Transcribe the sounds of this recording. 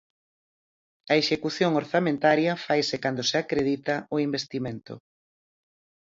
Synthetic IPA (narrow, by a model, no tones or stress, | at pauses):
ɐeʃekuθjoŋoɾθamẽnt̪aɾjɐfajsekand̪oseakɾeðit̪ɐoimbest̪imẽnt̪ʊ̰